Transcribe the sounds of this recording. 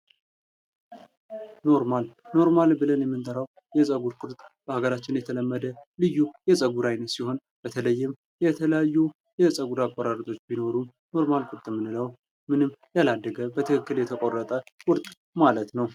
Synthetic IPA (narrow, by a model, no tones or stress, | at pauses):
no̞ɾmalno̞ɾmalbɨlənjɛmːɨnt̪ʰʼəɾaw | jɛsʼəɡuɾkʼʊɾt̪ʼb̥əhaɡəɾat͡ʃːɪnjɛt̪ʰələmːəd̪əlɨjːujɛsʼəɡuɾajnət̪siho̞n | b̥ət̪ʰələjːɪm | jɛt̪ʰələjajːu | jɛsʼəɡuɾakʷʼːɔɾaɾət̪ʼo̞t͡ʃːbino̞ɾu | no̞ɾmalkʷʼʊɾt̪ʼɨmːɨnːɨləw | mɨnɨmːjalad̪ːəɡəbət̪ʰɨkɨkːɨljɛt̪ʰəkʼo̞rːət̪ʼəwʼʊɾt̪ʼ | malət̪nəw